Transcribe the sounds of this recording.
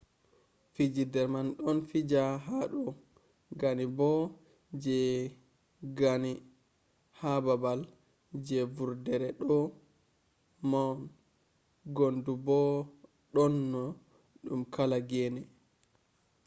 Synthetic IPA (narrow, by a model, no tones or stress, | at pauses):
fid͡ʒidɛɾmanɗɔnfid͡ʒaɦaɗɔ | ɡanibɔ | d͡ʒɛ | ɡani | hababal | d͡ʒɛvuɾdɛɾɛɗɔ | man | ɡondubɔ | ɗɔnːɔ | ɗumkʰalaɡɛnɛ